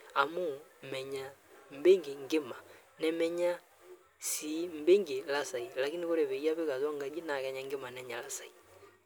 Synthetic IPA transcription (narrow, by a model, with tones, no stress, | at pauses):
a˨mu˦m˨mɛ˨ɲa˨m̩˦be˦ŋɡi˨ŋɡɪ˦ma˨ | nɛ˦mɛ˦ɲa˦ | si˨˦m̩˦be˦ŋɡe˨la˦sa˨i˨la˨ki˦ni˦ko˦ɾɛ˨βɛ˨i˦a˦βe˦ka˨zɔ˦ŋɡa˨d͡ʒi˦na˨kɛ˨ɲa˨ŋɡɪ˦ma˨nɛ˨ɲa˨la˨sa˨i˨